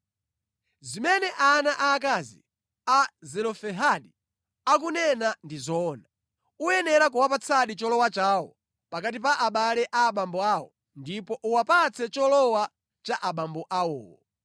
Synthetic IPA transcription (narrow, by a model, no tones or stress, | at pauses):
zimɛnɛʔanaʔaːk̬azḭ | azɛlɔfɛɦaɗi | ak̬unɛnandizɔːna | ujɛnɛɾak̬uwapat͡sʰaɗit͡ʃɔlɔwat͡ʃaːwɔ̰ | pakatip̬aʔaɓalɛʔaːɓambɔawɔ̰ | ndipɔʔuwapat͡sʰɛt͡ʃɔlɔwa | t͡ʃaʔaɓambɔʔawɔ̰ːwɔ